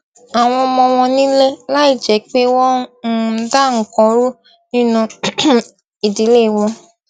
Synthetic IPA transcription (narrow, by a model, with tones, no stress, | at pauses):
a˨w̃ɔ̃˧mɔ̃˧w̃ɔ̃˧nĩ˦le˦la˦i˦˨d͡ʒɛ˨˦k͡pe˦wɔ˦ | da˦˨ŋ̩˨kɔ̃˧ɾu˦ | nĩ˦nũ˧ | i˨di˨˦le˦˨w̃ɔ̃˧